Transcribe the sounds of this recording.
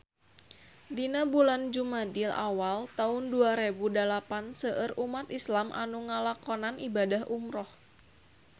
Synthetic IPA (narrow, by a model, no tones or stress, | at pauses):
dinabuland͡ʒumadila̰walt̪aʊnduaɾebudalapansəʔərumat̪islamʔa̰nuŋalakɔnanʔibadahʔumɾɔh